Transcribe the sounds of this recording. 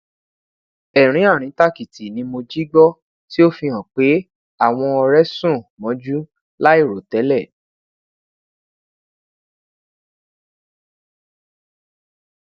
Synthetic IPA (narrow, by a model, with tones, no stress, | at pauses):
ɛ˨ɾ̃ĩ˨˦a˦˨ɾ̃ĩ˨˦ta˦ki˨ti˨nĩ˧mo˧d͡ʒi˦ɡ͡bɔ˦ | ti˦o˦fĩ˧ɦã˨k͡pe˨˦ | a˦˨w̃ɔ̃˧ɔ˧ɾɛ˦sũ˦˨mɔ̃˨˦d͡ʒu˦ | la˦i˦˨ɾo˨tɛ˨˦lɛ˦˨